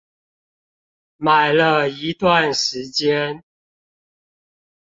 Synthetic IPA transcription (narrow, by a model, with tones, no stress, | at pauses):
ma˨˩ɪlə˦i˨˧˦t̪wa˥˨nʂɻ̩˨˧˦t͡ɕjɛ˦n